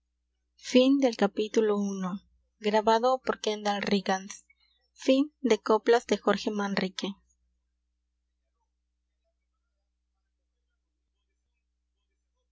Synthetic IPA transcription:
find̪e̞lkapit̪ulouno | ɡɾaβaðopoɾkend̪alriɣans | find̪e̞koplazd̪exo̞ɾxe̞manrike

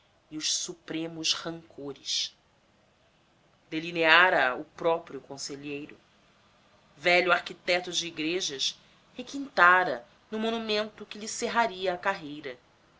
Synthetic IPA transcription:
iʊʃsupɾẽmʊʃhɐ̃ŋkʰoɾɪʃ | d̪elineaɾɐʊpɾɔpɾjʊkõseʎejɾʊ | vɛʎʊaɾkit̪ɛt̪ʊd͡ʒɪːɡɾeʒɐʃ | hekĩnt̪aɾɐ | nʊmonumẽnt̪ʊkɪlɪseɦaɾiɐːkaɦejɾɐ

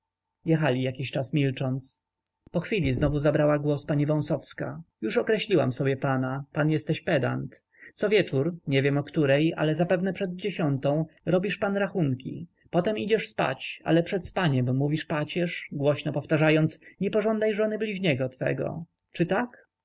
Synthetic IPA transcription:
jɛxalʲijakʲiɕt͡ʂasmʲilt͡ʂɔnt̪s | pɔxfʲilʲiznɔvuzabɾawaɡwɔspaɲivɔ̃w̃sɔfska̰juʂɔkɾɛɕlʲiwa̰msɔbʲjɛpanapanjɛst̪ɛɕpɛd̪a̰nt̪ | t̪sɔvʲjɛt͡ʂuɾɲɛvʲjɛmɔkt̪uɾɛja̰lɛzapɛvnɛpʂɛd̪̚d͡ʑeɕɔnt̪ɔ̃w̃ɾɔbʲiʂpanɾaxuŋkʲḭ | pɔt̪ɛmid͡ʑɛʂspa̰t͡ɕa̰lɛpʂɛt̪spaɲɛmːuvʲiʂpat͡ɕɛʂɡwɔɕnɔpɔft̪aʐajɔnt̪sɲɛpɔʐɔnd̪ajʐɔnɘblʲiʑɲɛɡɔt̪fɛ̰ɡɔ̰ | t͡ʂɘt̪ak

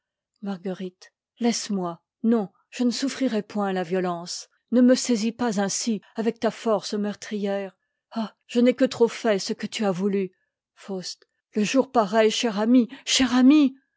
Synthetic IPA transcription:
maʁɡəʁit̪ | lɛsmwa | nɔ̃ | ʒ̥ənəsufχiʁɛpwɛ̃lavjɔlɑ̃s | nəməsɛzipazɛ̃siavɛk̚t̪afɔʁsəmœʁt̪χijɛʁ | a | ʒ̥ənɛkət̪χofɛsəkət̪yavuly | fost̪ | ləʒuʁpaʁɛjʃɛʁamiʃɛʁami

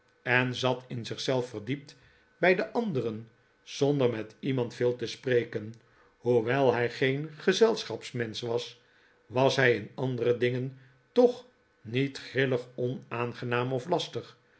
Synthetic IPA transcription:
ɛnzɑtɪnzɪχsɛlˠfərdip̚t | bɛjdəʔɑndərən | z̥ɔndərmɛtimɑntfɪːlˠtəspreːkən | huʋɛlˠɦɛjχejnχəzɛlˠsχɑpsmɛnsʋɑs | ʋɑsɦɛjɪnɑndərədɪŋən | tɔχ | nitχrɪləχɔnaːnχənaːmɔflɑstəχ

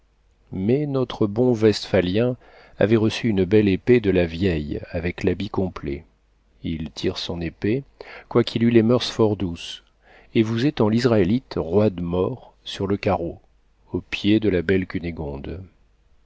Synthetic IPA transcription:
mɛnɔt̪χəbɔ̃vɛst̪faljɛ̃ | a̰vɛʁəsyynbɛleped̪əlavjɛjavɛklabikɔ̃plḛ | ilt̪ʰiʁsɔ̃nepekwakʰilylemœʁsfɔʁd̪us | evuzet̪ɑ̃lizʁaelit̪ʁwad̪mɔʁ | syʁləkaʁo | opjed̪əlabɛlkʲyneɡɔ̃d̪

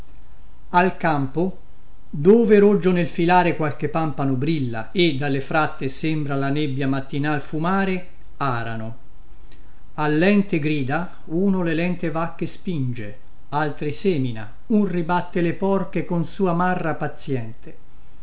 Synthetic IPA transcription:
alkampo | d̪oːveɾod͡ʒːonelfilaːɾekwalk̟epːampanobɾilːa̰ | ed̪ːalːefɾat̪ːesembɾalanebːjamat̪ːinalfumaːɾe | aːɾano | alːɛnt̪eɡɾiːd̪a | uːnolelɛnt̪evakːespind͡ʒe | alt̪ɾiseːmina̰ | unribat̪ːelepɔrkekonsuːamarːapat̪sːjɛnt̪e

